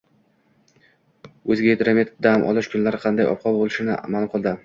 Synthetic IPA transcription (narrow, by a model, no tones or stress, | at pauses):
ɵzɪɡʲaed̪ɾamʲet̪d̪amʔɒ̰lˠɪʃkʰʊnlaɾɪqʰɑnd̪ajɒ̰p̚qʰɒbolˠɪʃɪnɪʔa̰malˠqɨlˠd̪ɪ